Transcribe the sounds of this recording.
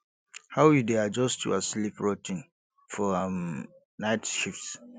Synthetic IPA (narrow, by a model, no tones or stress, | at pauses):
haʊjidead͡ʒɔstʰjṵaslipɹɔtɪ̃n | fɔam | naɪtʃifts